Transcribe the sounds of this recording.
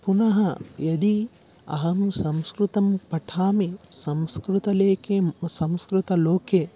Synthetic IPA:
punɐɦɐjɐd̪i | ɐ̰ɦɐmsɐmskɾut̪ɐmpɐʈʰaːmisɐmskɾut̪ɐleːkesɐmskɾut̪ɐloːkʰe

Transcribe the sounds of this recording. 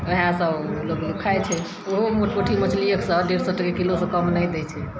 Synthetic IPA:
eɦãsəblokd̪ukʰajt͡ʃʰɛ | oɦomuʈkoʈʰimət͡ʃlijəksə̃ɖeɾsɔʈəkekilosə̃kəmnəjd̪ɛt͡ʃʰɛ

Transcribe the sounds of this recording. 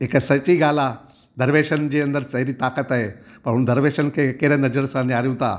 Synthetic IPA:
ekasɐt͡ʃiːɡaːla | d̪ʱəɾʋeːʃənd͡ʑeɐnd̪əɾsɐɦɾiːt̪akət̪aɦe | pɐɾɦund̪əɾʋeʃənkekeɾenɐd͡ʒəɾsãniaːɾjũt̪a̰

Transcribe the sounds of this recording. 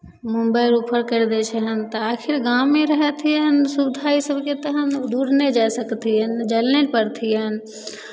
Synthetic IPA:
mumbəjɾupʰəɾkəɾd̪ɛt͡ʃʰɛɦənt̪əakʰiɾɡameɾəɦɛt̪ʰijənsubd̪ʱaisəbʱket̪əɦənd̪uɾnɛd͡ʒasəkt̪ʰijənd͡ʒəlnepəɾt̪ʰijən̆

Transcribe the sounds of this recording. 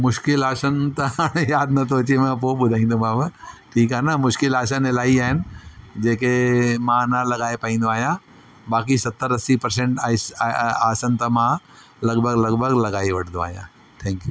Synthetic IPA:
mʊʃkɪlaːsənt̪ɐjaːd̪̚nɐt̪ʰoɐt͡ɕemɛ̃ːpoɓʊd̪ʱaːĩːnd̪omãːbɐʈʰiːkaːɦnɐmʊʃkɪlaːsənɪlaːɦiaːɦɪnɪ̆d͡ʑeːkemãnɐlɐɠaːepɐĩːnd̪oaːɦijã | baːk̬isɐt̪ːəɾɐsipɐɾs̬ẽɳʈaːsaːsənt̪ɐmã | lɐɡbʱəɡlɐɡbʱəɡlɐɠaːiʋɐʈʰə̃nd̪oa̰ːɦijã̰ | t̪ʰɛ̃ːŋkjuː

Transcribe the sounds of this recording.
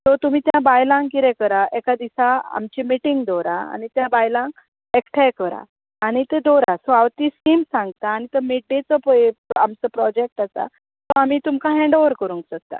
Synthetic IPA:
sɔt̪um̤iːt̪jãbajlãŋkkiɾɛkəɾaʔekad̪isaa̰mt͡ɕimiʈiŋɡd̪oɾa̰a̰nit̪jãbajlãŋk | ekʈʰajkəɾa̰ː | ɽ̃it̪ed̪oɾasɔawt̪iːskiːmsãŋɡt̪aːñit̪əmiɖet͡səpəjamt͡səpɾɔd͡ʑek̚ʈasa̰ | sɔamiːt̪umkʰaɦɛ̃ɳɖoʋəɾkəɾũŋksəst̪a̰

